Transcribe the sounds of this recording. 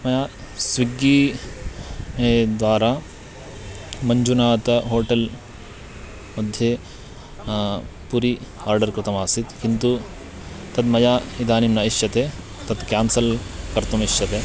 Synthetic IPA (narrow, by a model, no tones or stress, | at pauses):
mɐjaː | sʋiɡːiː | ed̪ʋaːɾaː | mɐɲd͡ʒunaːt̪ɐɦoːʈɐl | mɐd̪ʱje | puɾihaːɾɖɐɾkɾɪt̪ɐmaːsit̪kint̪u | t̪ɐd̪mɐjaːid̪aːnimnɐiʃjɐt̪eː | t̪ɐt̪kjaːnsɐlkɐɾt̪ɐmiʃjɐt̪eː